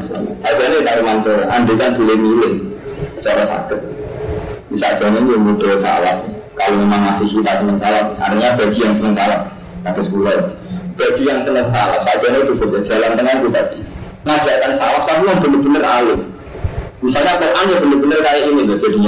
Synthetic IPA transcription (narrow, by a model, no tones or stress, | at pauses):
isa̰lɲa̰sad̥ʒ̥anet̪aɾumant̪oɾa̰andekanb̥ulemilɪŋt͡ʃɔɾɔsa̰kɪt̪̚ | nisa̰ʔd̥ʒ̥anainimuɖ̥olsa̰laf | kaloemaŋmasɪhkit̪asənəŋsalaha̰ɾt̪iŋɲab̥aɡ̥i̤jaŋsənəŋsalah | k̪aɡ̥ə̤skulɔb̥aɡ̥ijaŋsənəŋsalahsaʔʒ̥anat̪ufoɡḁʒ̥a̤lant̪əŋank̪ut̪ad̥i | ŋad̥ʒ̥aʔkansalafsaɦlaŋb̥ənəb̥ənəralʊ | misalɲakoʔanjab̥ənərb̥ənərkajaʔinibad͡ʒ̥adi̤ɲa